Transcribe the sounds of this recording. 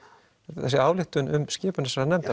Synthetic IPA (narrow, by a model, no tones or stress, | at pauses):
θɛsːɪaːwlɪht̪ʏnʏ̰mscɪːpʏnɛsaɾðanɛmt̪a